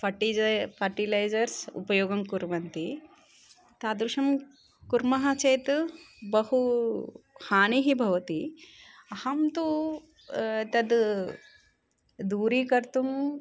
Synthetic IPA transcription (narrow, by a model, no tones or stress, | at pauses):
pʰɐʈipʰɐɾʈilɐjd͡ʒɐɾsṵpɐjoːɡɐmkuɾʋɐnt̪i | t̪aːd̪ɾuʃɐm | kuɾmɐɦɐt͡ʃɐjt̪bɐhu | haːniɦibʱɐʋɐt̪i | ɐhɐmt̪u | t̪ɐd̪ | d̪uːɾiːkɐɾt̪um